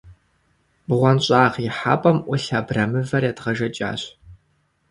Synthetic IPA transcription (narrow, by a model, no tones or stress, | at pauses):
bʁʷɔnɕʼaːʁɪħa̰ːpʼɐmʔʷʊɬabrɐmɨvɐrjatʁɐʒɐt͡ʃʼa̰ːɕ